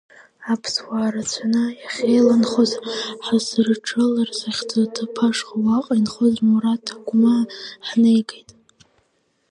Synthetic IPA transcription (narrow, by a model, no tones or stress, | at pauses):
apʰswaːɾat͡sʷʰanɨjaχʲejlanχozħasrʈ͡ʂʰʼɨlarsaχʲt͡sʰʼatʰɨpʰaʂχawaqʼainχozmuɾatʰaɡʷmaħnejɡʼejtʼ